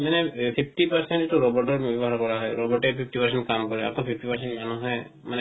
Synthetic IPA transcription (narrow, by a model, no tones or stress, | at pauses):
manɛpʰipʰtipaɹsɛntetuɹɔbɔɹtɔɹbɔbɔɦaɹkɔɹaɦɔjɹɔbɔɹtɛpʰip̚ʰtipaɹsɛntkamkɔɹɛa̰tɔ̃pʰip̚ʰtipaɹsɛntmanuɦɔj | manɛ